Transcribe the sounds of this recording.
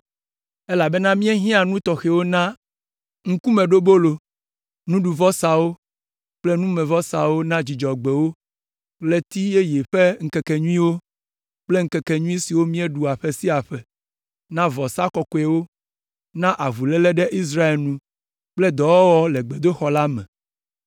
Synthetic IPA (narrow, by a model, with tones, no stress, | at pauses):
e˦la˨be˦nã˦mĩ˦e˦ɦĩ˦a˨nũ˦t̪ɔ˨xɛ˨wo˦nã˦ | ŋ̩˦ku˦mẽ˨ɖo˦bo˦lo˨ | nũ˦ɖu˨vɔ˦sa˨wo˦ | k͡ple˦nũ˦mɛ̃˨vɔ˦sa˨wo˦nã˦d͡ʑi˨d͡ʒɔ˨ɡ͡be˨wo˦ | le˦t̪i˦e˦je˨ɸe˦ŋ̩˦kɛ˨kɛ˨ɲũ˦ĩ˦wo˦ | k͡ple˦ŋ̩˦kɛ˨kɛ˨ɲũ˦ĩ˦si˨wo˦mĩ˦e˦ɖu˨a˨ɸe˦si˦a˨ɸɛ˨ | nã˦vɔ˨sa˦kɔ˨kɔ˨ɛ˨wo˦ | nã˦ʔa˨vu˨lɛ˦lɛ˦ɖɛ˦ʔi˦s̬ɾa˦e˨lnũ˦ | k͡plɛ˦d̪ɔ˨wɔ˦wɔ˦lɛ˨ɡ͡be˨d̪o˦xɔ˨la˦mɛ̰̃˨